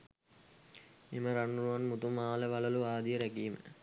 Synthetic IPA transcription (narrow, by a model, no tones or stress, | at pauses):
eməɾaɳːuɾuʋanmut̪umaːləʋalɐluaːd̪ijəɾækiːmə̰